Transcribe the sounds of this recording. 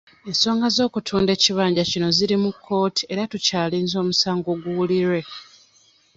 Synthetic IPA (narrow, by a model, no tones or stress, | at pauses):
e̞nso̞ːŋɡazo̞ːkutʰuːnde̞ːciβaːɲɟacino̞ziɾimukʰːo̞ːti̥e̞ɾatucaːliːnzo̞ːmusaːŋɡo̞ːɡuwuliɾwe̞